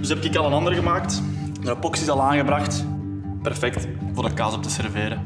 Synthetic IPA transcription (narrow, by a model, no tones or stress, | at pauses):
dʏsɛpɪkɪkɑlˠənɑnd̪ərɣəmaːkt | madəpɔksɪzɑlˠaːnɣəbɾɑxt | pɛrfɛkt | vʊːrdəkaːzɔp̚təsɛrveːɾə